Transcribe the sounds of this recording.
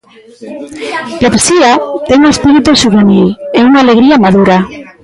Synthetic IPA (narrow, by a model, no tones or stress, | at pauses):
lapsiat̪eŋunespiɾit̪usuβenileunaːleɣ̞ɾiamaðuɾa